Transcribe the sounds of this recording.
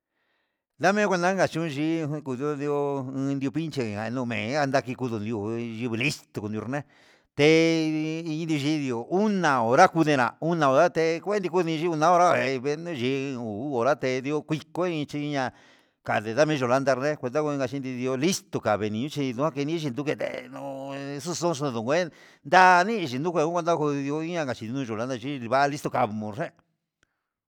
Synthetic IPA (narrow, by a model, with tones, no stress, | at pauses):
d̪a˦mẽ˦kʷe˧nd̪ã˦ŋɡa˧t͡ʃũ˦˧ʒi˧˦˧ku˧ðo˦nd̪i˧o˧ɨ̃˧nd̪i˧o˧pi˦nt͡ʃe˧˨a˨˧nũ˧mḛ̃ː˨˦a˧nd̪a˧ki˧ku˧ðu˧nd̪i˧o˧ʒi˧βli˦st̪o˧ku˧nd̪o˧ɾnẽ˦ | t̪e˧ | ĩ˧nd̪i˧o˧i˧˦ði˧o˧u˦nã˨o˨ɾa˦ku˧ðẽ˧ɾã̰˨u˦nã˧˨o˨ɾa˦t̪e˧kʷe˦nd̪i˧ku˧˦ðĩ˧ʒi˦u˧nã˦o˧ɾa˦˧˨e˧βe˧nũ˦˧ʒi˧u˨˦o˨ɾa˦t̪e˧ði˧o˧kʷi˧ko˦ĩ˧t͡ʃi˧ɲã˧ | ka˨ðe˨ða˦mĩ˦ʒo˨la˦˧nd̪a˧ɾðe˦kʷe˧nd̪a˦ko˧ĩ˧ŋɡa˧t͡ʃi˧˦nd̪i˧ði˧o˧li˦st̪o˨ka˨βe˨nĩ˧ũ˦t͡ʃi˧ðũ˧a˦˧ke˧nĩ˦ʒi˧nd̪u˧ke˧t̪ḛ˦˧nũ˧su˧sõ˦˧s̬u˧ðũ˨˧e˦ | nd̪a˦˧nĩ˦˧ʒi˧nd̪u˦kʷe˧ũ˦e˧d̪a˦˧ko˧ði˧o˧i˦ã˧ka˨t͡ʃi˧˨i˧nũ˧ʒo˨la˧d̪a˧ʒi˦˧βa˦˧li˦st̪o˧ka˧mõ˨˧ʐe˦